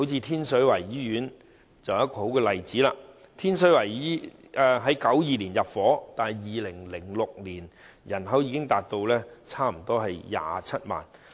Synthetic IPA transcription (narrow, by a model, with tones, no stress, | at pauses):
ho˨˥wt͡sʰiː˧t̪ʰiː˥nsɵ˨˥wɐ˨˩jːiː˨˥jyː˨˥n | t͡sɐ˨wjɐ˥t̚kɔː˧ho˨˥wkɛː˧lɐ˨jt͡siː˨˥la̰ː˧ | t̪ʰiː˥nsɵ˨˥wɐ˨˩jiː˨˥ | ʔɛ˧ɦɐ˨˥jkɐ˨˥wjiː˨liː˨˩njɐ˨p̚fɔː˨˥t̪aː˨n˨jjiː˨lɪ˨˩ŋlɪ˨˩ŋlʊ˨k̚liː˨˩n | jɐ˨˩nɦɐ˨˥wjiː˧kɪ˥ŋt̪aː˨k̚t̪o˧wlɛː˥t͡sʰaː˥m̩˨˩t̪ɔː˥ɦɐ˨jja̰ː˨˧t͡sʰɐ˥t̚ma̰ː˨˩n